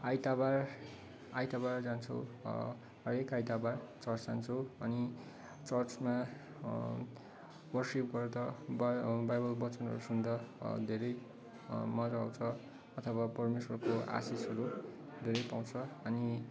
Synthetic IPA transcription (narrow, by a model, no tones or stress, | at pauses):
ajt̪abar | ajt̪abard͡zant͡sʰʌw | ɦʌɾekajt̪abart͡sʌrt͡sd͡zant͡sʰʌwʌni | t͡sʌrt͡sma | wʌrsip̚ɡʌɾut̪ʌbbajbʌlbʌt͡sʌnɦʌ̰ɾusund̪ʌd̪ʱeɾʌj | mʌd͡zaw̃t͡sʰʌ | ʌt̪ʰʌwapʌrmeswʌrkoa̰sisɦʌɾu | d̪ʱeɾʌjpaw̃t͡sʰʌʌni